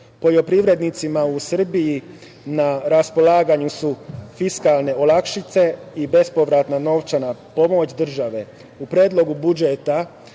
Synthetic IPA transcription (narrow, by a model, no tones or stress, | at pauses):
po̞ʎo̞pɾiʋɾe̞d̪nit̪simausr̩biji | naɾaspo̞laːɡaɲusufiskalˠne̞olˠakʃit̪se̞ibe̞spo̞ʋɾat̪nano̞ʋt͡ʃanapo̞mo̞t͡ɕd̪r̩ʒaʋe̞ | upɾeːd̪lˠo̞ɡubud͡ʒet̪a